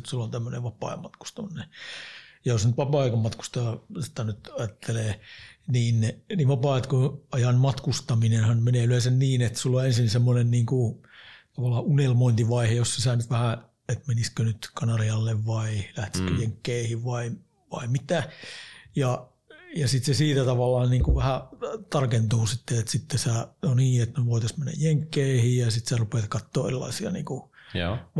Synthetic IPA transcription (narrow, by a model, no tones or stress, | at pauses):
t̪sulːont̪æmːøneʋɑpɑ̰ˑːmɑt̪ku̥st̪ɑne | jɑjosnyt̪ʋɑpɑːɑikɑmɑt̪ku̥st̪ɑːsi̥t̪ænyt̪ɑjɑt̪ʰːeleːniːnniʋɑpɑːt̪kuɑjɑnmɑt̪kust̪ɑminenhɑnmeneːyleˑsænniːnet̪sulːoensinsemːonenniːŋkut̪ɑʋɑlːˑɑːʔunelmoint̪iʋɑihejossesɑːnyt̪ʋæhæ | et̪meniskønyt̪kɑnɑriɑlːeʋʋɑilæht̪i̥skøjeŋkːeːhiʋʋɑi | ʋɑ̰imit̪æ | jɑ | jɑsit̪sesiːt̪æt̪ɑʋɑlːˑɑːnniːŋkuʋæhæt̪ɑrkent̪uːsit̪ːeet̪sit̪ːesænoniːet̪neʋoit̪ɑsmenːæ̰jjeŋkːeihijjɑsit̪særupet̪kɑt̪ːoːḛrilːˑɑ̰isiɑ̰nḭːŋkṵ